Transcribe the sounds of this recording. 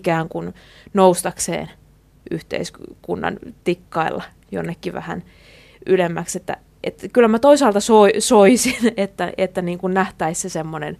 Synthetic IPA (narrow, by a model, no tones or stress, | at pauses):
kæːŋkunnoust̪ɑksḛːn | yht̪ḛiskunːɑ̰nt̪ikːɑilːɑ̰ | jo̰nːekːiʋæ̰hæ̰n | ylemːækset̪ːæ̰ | ʔet̪kylːæmæt̪oisɑːlt̪ɑsoisoisinet̪ːæʔḛt̪ːæniːŋkunnæht̪æissesemːonḛn